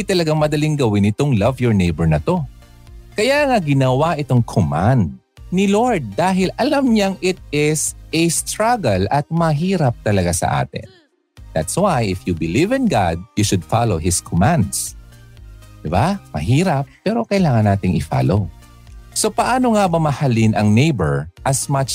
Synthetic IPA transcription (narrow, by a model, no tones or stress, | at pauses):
d̪it̪ɐlɐɡaŋmɐd̪ɐliŋɡɐwɪnɪt̪o̞ŋlɐvjɔɹnejbɛɹnɐt̪o̞ | kɐjaːŋaɡɪnɐwaʔɪt̪oŋkʰoma̰nd̪̚ | nɪloɹd̪̚ːaːɦɪlʔɐlamɲaŋʔɪt̪̚ɪsɛst̪ɾaɡɐlʔɐt̪̚mɐɦiːɾɐp̚t̪ɐlɐɡasɐ̰ʔa̰ːt̪ɪ̰n | d̪at̪swajɪfjubɪlivɪ̃nɡa̰d̪̚juʃʊd̪̚faloɦɪskʰomãnd̪s | d̪̥ɪbamɐ̰ɦiːɾɐpːɛːɾo̞kɐjlaːŋɐnːaːt̪ɪŋɪfa̰ːlow | so̞pɐʔaːno̞ŋabɐmɐhɐlɪnʔɐŋnejbɛɹʔɐsmat͡ʃ